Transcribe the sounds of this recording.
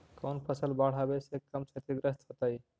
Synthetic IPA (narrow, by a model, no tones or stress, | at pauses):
kownpʰəsəlbaɽ̤ɦabesekəmt͡ʃʰət̪iɡɾəst̪ɦot̪əj